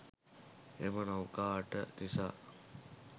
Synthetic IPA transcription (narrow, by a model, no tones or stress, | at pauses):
emənawkaːʈəd̪isa̰ː